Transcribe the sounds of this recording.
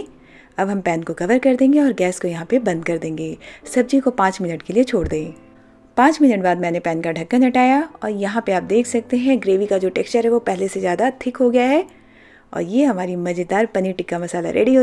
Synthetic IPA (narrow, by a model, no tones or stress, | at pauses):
ɐbɦɐmpɛːnkokɐʋəɾkɐɾd̪ẽːŋɡeɔːɾɡɛːskojɐɦãpebɐ̃nd̪̚kɐɾd̪ẽːŋɡeːsɐb̚d͡ʒikopãːt͡ʃmɪnəʈkeliet͡ʃʰoːɽd̪ẽː | pãːt͡ʃmɪnəʈ̚baːd̪mɛ̃ːnepɛːnkaɖʱɐkːənɐʈaːjaɔːɾjɐɦãpeaːp̚d̪eːkʰsɐk̚t̪eɦɛ̃ɡɾeːʋikad͡ʒoːʈeːkst͡ʃəɾɦɛʋopɛɦlesezjaːd̪at̪ʰɪkɦoɡɐjaɦɛː | ɔ̰ːɾjeːɦɐmaːɾimɐd͡ʒɪd̪aːɾpɐniʈɪkːamɐsaːla̰ɾḛːɽiɦoː